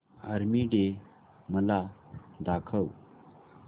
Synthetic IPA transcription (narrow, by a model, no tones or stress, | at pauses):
a̰ɾmiɖe | məlad̪akʰəw